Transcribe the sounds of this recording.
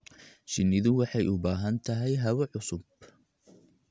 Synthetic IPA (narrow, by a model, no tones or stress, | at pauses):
ʃɪnːɪðʊwɑħɑjʊbaːɦɐnt̪ʰɐɦɛjɦɐwɐʕʊsʊb